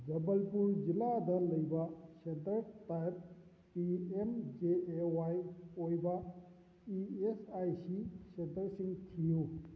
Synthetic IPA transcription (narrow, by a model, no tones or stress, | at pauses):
d͡ʒɐbəlpuɾd͡ʒilad̪ɐləjbasentəɾtajp̚ | piemd͡ʒeewajojba | iesajsisent̪əɾsiŋɡt̪ʰiju